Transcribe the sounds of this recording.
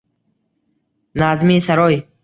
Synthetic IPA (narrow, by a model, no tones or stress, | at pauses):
nazmisaɾɔj